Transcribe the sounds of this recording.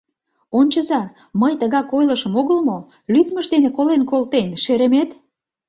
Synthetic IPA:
onʲt͡ɕəzɑ | məjt̪əɣɑkojləʃəmoɣəlmo | lyt̪məʃd̪enekolenkolt̪enʃeɾə̆met̪

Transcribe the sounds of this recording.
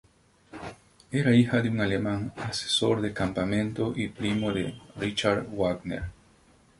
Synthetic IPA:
eɾaixad̪euŋalemãŋase̥soɾd̪ekampamẽnt̪oʔipɾimod̪ḛrit͡ʃaɾwaɡnḛɾ

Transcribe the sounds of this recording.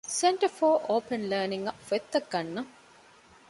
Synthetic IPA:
seɳʈɐfoːʔoːpenləːniŋɡɐfet̪ːɐɡːɐnːɐ

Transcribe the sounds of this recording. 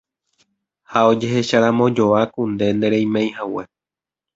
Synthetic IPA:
hao̞d͡ʒe̞ɦe̞ʃaɾãmõ̞d͡ʒo̞akund̪e̞nd̪eɾej̃mẽj̃ɦawe

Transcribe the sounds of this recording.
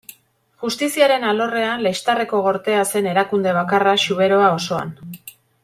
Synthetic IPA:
ʝust̪isiaɾe̞nalo̞re̞anle̞jst̪are̞ko̞ɣ̞o̞ɾt̪e̞ase̞ne̞ɾakund̪e̞β̞akaraʃuβ̞e̞ɾo̞ao̞so̞a̰n

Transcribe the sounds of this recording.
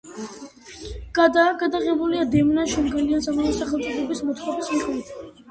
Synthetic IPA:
ɡ̥ad̪aːɡad̪aʁɛbuliad̪ɛmnaʃɔmɡɛliansamamɔsaχɛlt͡ʃ̪ʼɛbɛbismɔt̪ʰχɔbismiχt̪ʰ

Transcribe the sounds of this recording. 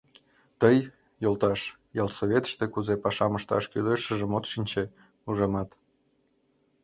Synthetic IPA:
t̪əj | jolt̪ɑʃ | jɑlsoβʲet̪ə̥ʃt̪ekuzepɑʃɑməʃt̪ɑ̰ʃkyløʃəʒəmot̪ʃinʲt͡ɕe | uʒemɑt̪

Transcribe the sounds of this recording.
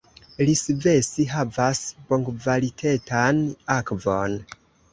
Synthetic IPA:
lisve̞siɦavasboŋɡvalitʰetʰanakvon

